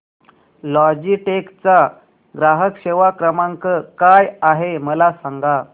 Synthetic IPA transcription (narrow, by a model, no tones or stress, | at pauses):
lɔd͡ʑiʈekt͡sa | ɡɾaɦəkʂeʋakɾəmaŋkəkajaɦeməlasaŋɡa